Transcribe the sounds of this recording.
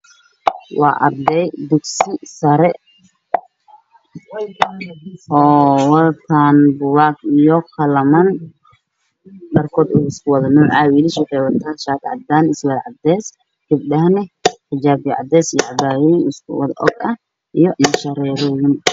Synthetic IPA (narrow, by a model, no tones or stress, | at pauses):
wɑ̰ːʔɐrd̪ɛjd̪ʊɡsɪsɐɾɛ | ʔɔːwɑlkʰaːnbʊwaːɡijɔχɐlɐmɐn | ɗɐrkʰɔːd̪ʊɪskʰʊwɐðɐnuːʕʕaːwilɪʃɛħɛwɐt̪ʰaːʃaːkʕɑ̰d̪ːaːnɪswɐlʕɑd̪ɛːs | ɡ̥ɐb̚ɗɐhnɛħɪd͡ʒaːbjʕɑ̰d̪ɛːsijɔʔɐbaːwɛnɪskʰʊwɐ̰ðɐ̰ʔɔ̰ɡɐh | ʔijɔnɐʃɐɾɛːɾɔːwɪn